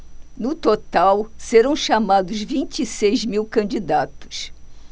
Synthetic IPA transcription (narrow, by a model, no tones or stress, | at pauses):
nʊt̪ot̪awseɾɐ̃w̃ʃamad̪ʊzvĩnt͡ʃisejzmiwkɐ̃nd͡ʒid̪at̪ʊ̥s